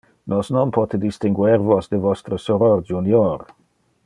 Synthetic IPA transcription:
nɔsnɔnpʰɔt̪əd̪ist̪iŋɡwɛɾvɔsd̪əvɔst̪ɾəsɔɾɔɾd͡ʒunjɔɾ

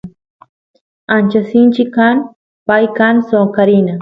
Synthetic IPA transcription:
ant͡ʃasint͡ʃɪkan | pajkansokaɾina

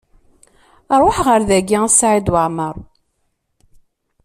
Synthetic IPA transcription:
ɾˤoħʁəɾðæɡisʕid̪wəʕməɾˤ

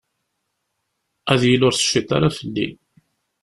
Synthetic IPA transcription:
æðjəlʊɾθə̥ʃːit̪a̰ɾafəlːḭn

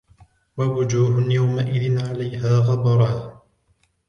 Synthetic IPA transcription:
wawʊd͡ʒuːɦʊnjawmaʔɪðɪnʕalajhaːɣɑbɾˤɑː

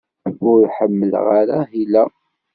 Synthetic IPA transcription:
ʊɾħəmːəlʁaɾahilæ

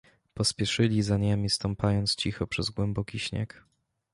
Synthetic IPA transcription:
pɔspʲjɛʂɘlʲizaɲemʲist̪ɔmpajɔnt̪st͡ɕixɔpʂɛzɡwɛmbɔkʲiɕɲɛ̰k

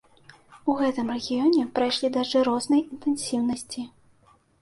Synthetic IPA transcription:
uɣɛt̪ɨmrɛɣʲijɔnʲɛpɾajʂlʲid̪ɐʐɨɾɔznɐjint̪ɛnsʲiwnɐsʲt͡sʲi

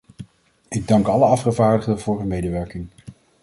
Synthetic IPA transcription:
ɪɡ̚dɑŋkɑləɑfχəvaːɹdəχdəvʊːɹɦəmejdəʋɛɹkɪŋ

